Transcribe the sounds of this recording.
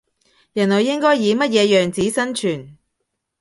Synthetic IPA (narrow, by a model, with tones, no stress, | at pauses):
jɐ˨˩nlɔ˨˩jːɪ˥ŋkɔː˥jːiː˨˧mɐ˥t̚jɛː˨˧jœː˨ŋt͡siː˨˥sɐ˥nt͡ʃʰyː˨˩n